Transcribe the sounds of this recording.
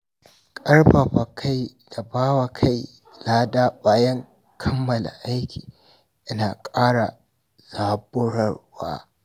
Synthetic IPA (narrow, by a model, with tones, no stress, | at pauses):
kʼɐ˦rbɐ˨ɸɐ˨kʰa˦j | da˨baː˦wa˨kʰa˦j | laː˦daː˦baː˨jɐ˦ŋ | kʰɐ˦mːɐ˨la̰˨ʔa˦jkʲʰi̥ː˨ | ʔɪ˦naː˨kʼaː˦ɽa˨ | z̥aː˦bʊ˦ɽɐ˦˨rwa̰ː˦